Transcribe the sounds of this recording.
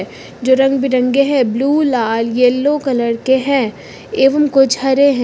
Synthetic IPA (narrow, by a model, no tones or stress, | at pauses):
d͡ʒoːɾɐ̃ŋɡ̚bʱiɾɐ̃ŋɡeɦɛ̃bluːlaːljeːlːokɐləɽkeɦɛ̃ː | eːʋəmkod͡ʒʱɦɐɾeɦɛ̃